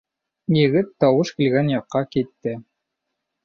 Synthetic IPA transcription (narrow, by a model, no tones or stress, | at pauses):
jɘ̆ɡɘt̪ːɑwɤʃkilɡænjɑqːɑkit̪ːɘ